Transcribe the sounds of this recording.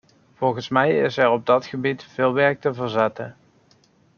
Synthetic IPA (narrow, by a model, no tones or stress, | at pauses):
v̥ɔlˠɣənsmɛjɪ̰sɛɹɔb̚dɑtχəbitfɪːlˠʋɛɹk̚təvəɹzaːtən